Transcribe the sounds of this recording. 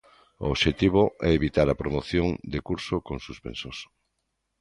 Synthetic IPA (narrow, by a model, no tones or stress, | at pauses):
oːβʃet̪iβoʔɛeβit̪aɾɐpɾomoθjoŋd̪ekuɾsokõŋsuspḛnsos